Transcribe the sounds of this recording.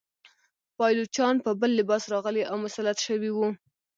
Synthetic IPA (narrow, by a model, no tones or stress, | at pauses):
pɑjlut͡ʃɑnpəbəlːɪbɑsɾɑɣəleʔawmʊsalat̪ʃəwiwu